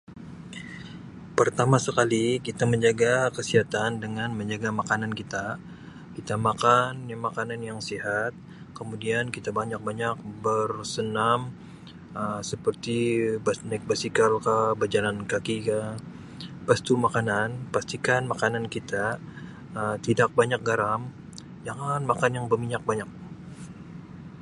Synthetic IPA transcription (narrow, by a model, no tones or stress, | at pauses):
pərt̪amasəkalikit̪aməɲd͡ʒaɡakəsiɦat̪andəŋanməɲd͡ʒaɡamakanankit̪a | kit̪amakanjamakananjaŋsiɦat̪̚ | kəmudiankit̪abaɲak̚baɲak̚bərsənam | əsəpərt̪ibanɛk̚basikalkabəd͡ʒalankakika | past̪umakananpast̪ikanmakanankit̪a | əmt̪idak̚baɲak̚ɡaɾam | d͡ʒaŋanmakanjaŋbəmiɲak̚baɲak̚